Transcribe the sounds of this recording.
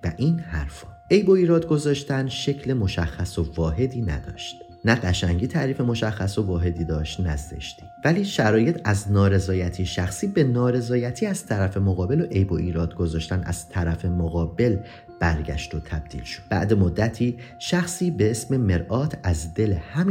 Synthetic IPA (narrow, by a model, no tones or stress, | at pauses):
væʔiːnhæɾfɒːʔe̞jbo̞iːɾɒːd̪ɡo̞zɒːʃt̪ænʃe̞cʰle̞mo̞ʃæxːæsovɒːɦe̞d̪iːnæ̰d̪ɒ̰ːʃt̪ | næɢæʃæŋɟiːt̪ʰæʔɾiːfe̞mo̞ʃæxːæso̞vɒːɦe̞d̪iːd̪ɒːʃt̪næzḛʃt̪i̥væliːʃæɾɒːje̞t̪ʰæznɒːɾe̞zɒːjæt̪ʰiːʃæxsiːbe̞nɒːɾe̞zɒːjæt̪ʰiːæz̥t̪ʰæɾæfe̞moɣɒːbe̞loʔe̞jboʔiːɾɒːd̪ɡo̞zɒːʃt̪ænæ̰z̥t̪ʰæɾæfe̞moɣɒːbe̞l | b̥æɾɟæ̰ʃt̪o̞t̪ʰæb̥̚d̪̥ḭːlʃod̪̥̚bæ̰ʔd̪e̞mod̪ːæt̪ʰiː | ʃæxsiːbe̞esme̞meɾʔɒːt̪ʰæzd̪e̞le̞hæmː